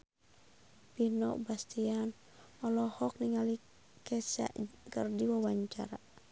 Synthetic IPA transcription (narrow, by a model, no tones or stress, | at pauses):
pinɔ̰ʔbast̪ian | ɔlɔhɔk̚niŋali | kɛsa̰ʔkərdiwawaɲt͡ʃa̰ɾa̰